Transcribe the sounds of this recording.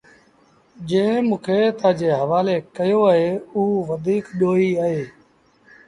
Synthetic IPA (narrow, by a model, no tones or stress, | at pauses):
d͡ʒẽːmũːkʰeːt̪aːd͡ʒeːɦəʋaːleːkəjoːaɦeːuːʋəd̪ʱiːkɗoːiːəɦeː